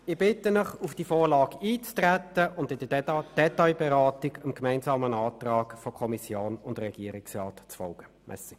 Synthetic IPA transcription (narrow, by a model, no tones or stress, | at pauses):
ɪb̥ɪtənəχufd̥ifoːʁlɑːɡiːt͡stræt̪ːəʔʊndɪd̥əd̥ɛtaɪbɛʁɑːtɪɡʊmkmæɪnzɑːmənɑːt̪rɑːɡfɔkʰɔmisjoːnʊndrɛɡ̥iəɾɪksrɑːtt͡sfɔlɡ̥ə | mʔɛ̰si